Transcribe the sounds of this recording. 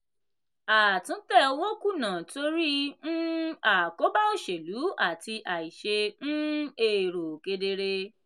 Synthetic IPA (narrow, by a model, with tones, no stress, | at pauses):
a˨tũ˨˦tɛ˦˨˧wo˦ku˦˨nã˨to˧˦ɾi˦ñ̩˦a˨ko˨˦ba˦o˦˨ʃe˨lu˨˦a˦˨ti˧ʔa˨i˨ʃe˧ñ̩˦e˨ɾo˨ke˧de˧ɾe˧